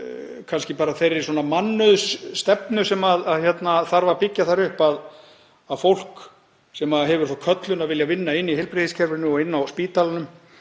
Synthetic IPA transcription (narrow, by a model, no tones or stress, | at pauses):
kʰanscɪpaːɾaθejɾɪ̥sɔːnamanːʏðsːt̪ɛpnʏsɛmaðaðçjɛt̪naθaɾvapɪcːaθaɾʏhpað | aðfowl̥k | sɛmaɦɛvʏɾ̥θowkʰœt̪lʏnaðvɪljavɪnːaɪnːiheɪjlpɾɪθiscʰɛɾvʏnʏɔɪnːawspiːt̪alanʏm